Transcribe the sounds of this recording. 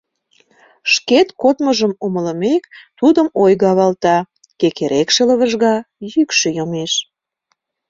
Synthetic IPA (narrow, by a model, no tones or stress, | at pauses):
ʃket̪kot̪məʒəmumələmekt̪ud̪əmojɣɑβɑlt̪ɑ | kekeɾekʃələ̆βəʒɣɑjykʃøjomeʃ